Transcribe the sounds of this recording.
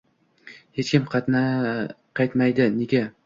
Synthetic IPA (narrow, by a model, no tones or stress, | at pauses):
het͡ʃkʲɪmqʰɑt̪na | qʰɑjt̪majd̪ɪneɡʲa